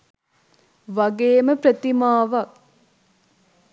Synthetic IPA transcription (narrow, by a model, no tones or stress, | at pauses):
ʋaɡeːməprət̪imaːʋɐk̚